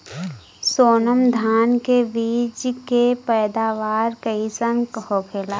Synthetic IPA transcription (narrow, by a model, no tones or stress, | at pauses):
soːnəmd̪ʱaːnkeʋiːd͡ʒkepɛːd̪aːʋaːɾkəisənkhokʰela